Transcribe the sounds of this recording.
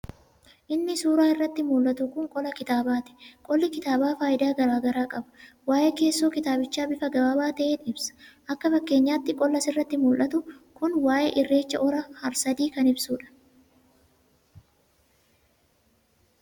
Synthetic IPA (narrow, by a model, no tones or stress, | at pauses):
ʔɪnːɪsuːɾaːɪrːɐt̪ːɪmuːlʔɐt̪ʊkʊŋkʼɔlɐkɪt̪aːbaːt̪ɛ̥kʼɔlːɪkɪt̪aːbaːfaːjɪd̪aːɡɐɾaːɡɐɾaːkʼɐbɐ̥ | waːʔɛke̞ːsːoːkɪt̪aːbɪt͡ʃːaːbɪfɐɡɐbabaːt̪ɐʔeːᶑ̪ɪbsɐ̥ʔɐkːɐfɐkːe̞ːɲːaːt̪ːɪkʼɔlːɐsɪrːɐt̪ːɪmuːlʔɐt̪ʊkʊnwaːʔḛʔɪrːe̞ːt͡ʃːɐʔɔɾɐhɐɾsɐd̪iːkɐnɪbsuːᶑɐ̥